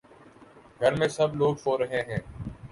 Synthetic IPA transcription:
ɡʱəɾmẽːsəbloːɡfoːɾəɦẽːɦɛ̃ː

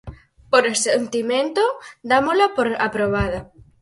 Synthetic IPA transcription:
poɾesent̪imẽnt̪od̪amolapoɾapɾoβaða

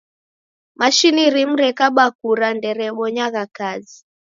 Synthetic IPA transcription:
maʃiniɾim̩ɾɛkaɓak̚uɾandɛɾɛɓɔɲaɣakazi

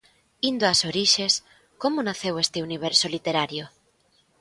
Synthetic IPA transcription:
ind̪oasoɾiʃes | komonaθewest̪euniβ̞eɾsolit̪eɾaɾjo

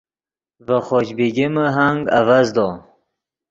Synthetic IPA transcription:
vəχɔt͡ʃbiɡiməɦaŋɡa̰vazd̪ɔ

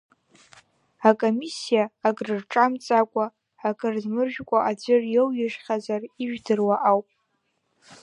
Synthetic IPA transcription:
akʼomisijaːkʼrɨrʈ͡ʂʼamt͡sʼakʷʼaː | kʼɨrzmɨrʒᶣkʷʼaʔad͡ʒʷɪrjewjɪʂχʲazariʒᶣdɨrwaʔawpʼ

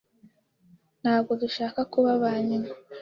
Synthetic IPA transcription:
n̥haːb̚ɡo̞duʃaːkakuβaβaːɲina

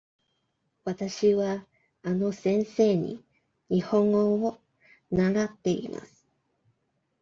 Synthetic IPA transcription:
wat̪aɕiβa | ano̞sẽ̞ñse̞ːɲḭ | ɲihõ̞ŋoo | naɡat̪ːe̞ḭma̰sɨ̥

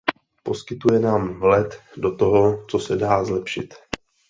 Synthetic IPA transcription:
po̞skɪt̪ujɛnaːmvlɛt̪do̞t̪o̞ɦo̞t͡sosɛdaːzlɛpʃɪt̪

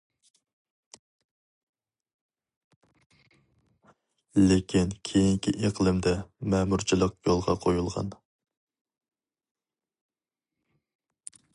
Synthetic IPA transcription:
lɪkʲʰinkʲʰejiŋkʲʰiʔeqlˠɨmd̪ɛmɛmuɾt͡ʃʰilˠəq̚jolˠʁɑqʰojulˠʁɑ̰n

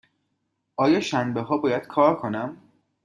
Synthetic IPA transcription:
ʔɒːjɒːʃænbeɦɒːbɒːjæd̪̥kʰɒːɾkʰo̞næm

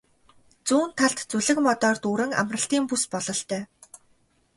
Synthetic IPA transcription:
t͡suːnt̪ʰːaɬt̪t͡suɮɘ̆kmɔt̪ɔːrt̪uːɾɘ̆ŋa̰mrə̆ɬt̪iːmpuspɔɮɞ̆ɬt̪œː

